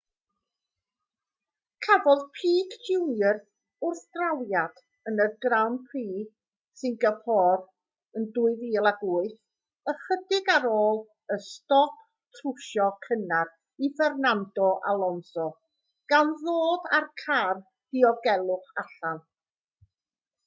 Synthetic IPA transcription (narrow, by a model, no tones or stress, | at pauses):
kʰavɔðpʰiːkʰdɪwərθ | ʊrθd̥rawjad̥ | ənəɡrawnpʰriː | sɪŋɡapʰɔr | əndʊːɨðiːlˠaɡʊɨθ | əχədɪɡaɾoːlˠ | əstɔp | tʰrʊʃɔkʰənar | ifɛrnandɔʔa̰lˠɔnsɔ | ɡ̥anðoːdarkʰar | d̥ɪɔɡɛlˠʊχaɬan